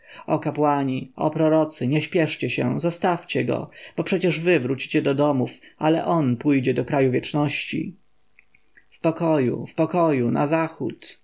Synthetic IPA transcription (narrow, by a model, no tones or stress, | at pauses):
ɔkapwaɲiɔ̰pɾɔɾɔt̪sɘɲɛɕpʲjɛʂt͡ɕɛɕɛ̰zɔst̪aft͡ɕɛɡɔ̰b̥ɔpʂɛt͡ɕɛʐvɘvɾut͡ɕi̥t͡ɕɛd̪ɔd̪ɔmufalɛ̰ʔɔnpujd͡ʑɛd̪ɔkɾajuvʲjɛt͡ʂnɔɕt͡ɕḭ | fpɔkɔjṵfpɔkɔjuna̰zaxṵt̪